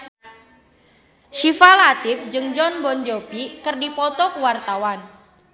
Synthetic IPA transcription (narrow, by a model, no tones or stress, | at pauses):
ʃifalat̪ɪfd͡ʒɨŋd͡ʒɔnbɔnd͡ʒopikɨrdipɔt̪ɔkəwart̪awan